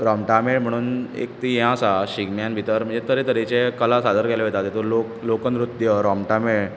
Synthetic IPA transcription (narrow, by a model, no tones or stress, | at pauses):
ɾɔmʈameɭm̤əɽ̃uːnḛk̚t̪ijãsaɕiɡmjanbʱit̪əɾm̤ə̃ɳd͡zet̪əɾet̪əɾet͡ɕekəlasad̪ʱəɾkelɔʋet̪at̪et̪oloklokənɾut̪jəɾɔmʈameɭ